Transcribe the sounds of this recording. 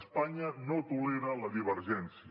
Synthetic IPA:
spaɲənot̪uleɾələðiβ̞əɾʒɛnsi

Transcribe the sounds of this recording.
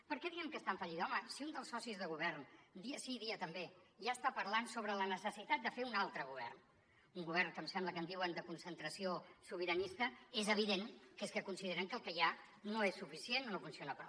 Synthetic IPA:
pəɾkɛðiɛmkəst̪aɱfəʎiðɔməsiund̪əlˠsɔsizðəɣ̞uβɛrnd̪iəsiðiət̪əmbe | ʒaəst̪apəɾlansoβ̞ɾələnəsəsit̪at̪̚d̪əfeunalˠt̪ɾəɣ̞uβɛ̰rn | uŋɡuβ̞ɛrŋkəmsɛmbləkənd̪iwənd̪əkunsənt̪ɾəsiosuβ̞iɾənist̪əezəβ̞iðeŋkeskəkunsiðeɾəŋkəlˠkəja | noesːufisienːonofunsionəpɾɔ

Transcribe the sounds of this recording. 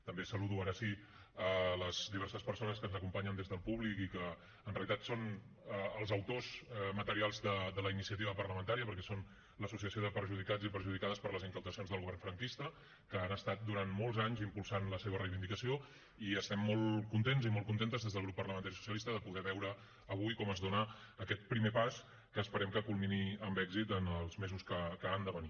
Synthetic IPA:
t̪əmbesəluðuaɾəsi | ələz̥d̪iβɛɾsəspəɾsonəskənzəkumpaɲənd̪ezðəlˠpuβlikikəː | nreəlit̪at̪son | əəlˠzəwt̪ozmət̪əɾialˠzðəðələinisiət̪iβəpərləmənt̪aɾiəpəɾkɛson | ləsusiəsioðəpəɾʒuðikad͡zipəɾʒuðikaðəspəɾləzəŋkəwt̪əsionzðəlˠɣuβɛrɱfɾəŋkist̪ə | kəanəst̪at̪̚d̪uɾanmɔlˠzaɲzimpulˠsanləseβ̞ərəjβind̪ikəsio | iəst̪ɛmːɔlˠkunt̪enzimɔlˠkunt̪ent̪əzðezðəlˠɣ̞ɾupːərləmənt̪aɾisu̥sjəlist̪əðəpuɣɛβɛwɾəː | β̞ujkɔməzðonəːkɛt̪̚pɾimepas | kəːspəɾɛmkəkulˠminiəmbɛɡzit̪ənəlˠzmezuskəkəand̪əβəni

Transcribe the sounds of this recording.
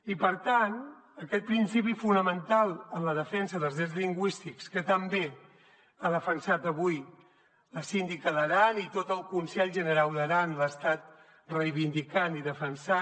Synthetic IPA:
ipəɾt̪an | əkɛt̪̚pɾinsipifunəmənt̪alˠənləðəfɛnsəðəlˠzðɛzliŋɡwist̪ikskət̪əmbe | aðəfənsat̪əβuj | ləsind̪ikəðəɾanit̪ot̪əlˠkunsɛʎʒənəɾalˠd̪əɾanləəst̪at̪̚ | rəjβind̪ikaniðəfənsa

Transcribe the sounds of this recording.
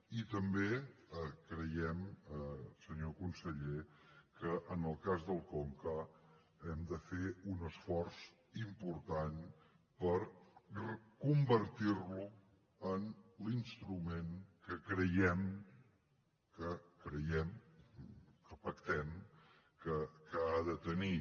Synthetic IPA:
it̪əmbeəkɾəjɛm | səɲokunsəʎekəʔənəlˠkazðəlˠkɔŋkə | ɛmd̪əfeunəsfɔrs | impuɾt̪an | pəɾrəkumbəɾt̪iɾlu | ənlinst̪ɾumenkəkɾəjɛm | kəkɾəjɛm | əpəkt̪ɛm | kəkəaðət̪əni

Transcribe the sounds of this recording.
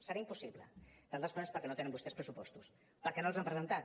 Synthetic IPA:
səɾaimpusiβlə̰d̪alˠt̪əskɔnəspəɾkɛnot̪enə̃mbust̪ɛspɾəsupɔst̪us | pəɾkɛnoəlˠzampɾəzənt̪at̪

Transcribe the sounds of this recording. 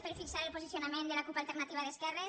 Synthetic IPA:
peɾfiksaɾelpozisjonamẽnd̪əlakupalˠt̪eɾnat̪iβaðeskɛre

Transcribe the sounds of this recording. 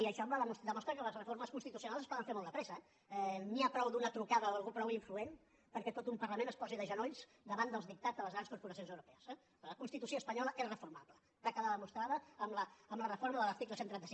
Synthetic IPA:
iəʃɔmblələmusd̪əmɔst̪ɾəkələzrəfoɾməskunst̪it̪usiunalˠzəspɔðəɱfeɾmɔlˠd̪əpɾɛzəɛ | ɛniapɾɔwd̪unət̪ɾukaðəoəlɣupɾɔwiɱfluen | pəɾkɛt̪ot̪umpərləmẽnəspɔziðəʒənoʎz | d̪əβand̪əlˠzðik̚t̪ad͡zðələzɣɾanskuɾpuɾəsijonzəwɾupɛəsɛ | ləkunst̪it̪usioəspəɲɔləʔeɾrəfurmaplə | t̪əkəðaðəmust̪ɾaðəəmləəːmlərəfoɾməðələɾt̪ikləsent̪ɾɛnt̪əsi

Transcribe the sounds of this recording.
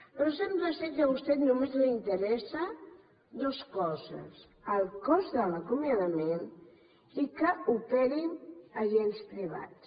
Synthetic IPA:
pəɾɔsɛmpɾəsɛkəβust̪ɛt̪numezliint̪əɾɛsa | d̪oskɔzə̰s | əlˠkɔzðələkumjaðəmen | ikəupɛɾinəʒelst̪ɾiβa̰s

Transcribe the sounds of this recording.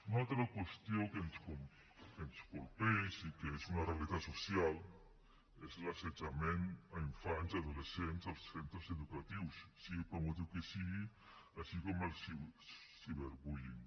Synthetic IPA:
unat̪ɾɐkwest̪jokenskom | kenskolpejsikeesunarealit̪asosjal | eslased͡ʒamenaiɱfansaðolesent̪salssent̪ɾoseðukat̪iwssipɾamut̪ukesiɣi | aʃikomelsisiβeɾbujiŋ

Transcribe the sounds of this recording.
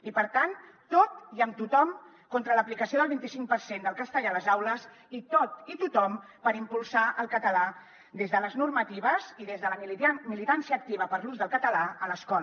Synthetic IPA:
ipəɾt̪ant̪ot̪iəmt̪ut̪ɔm | kont̪ɾələplikəsioðəlˠβint̪isiŋk̚pəɾsend̪əlˠkəst̪əʎaləzawləz | it̪ot̪it̪ut̪ɔm | pəɾimpulˠsaəlˠkət̪əla | d̪ezðələznurmət̪iβəziðezðələmilit̪ansiəːk̚t̪iβəpəɾluzðəlˠkət̪əlaələskɔ

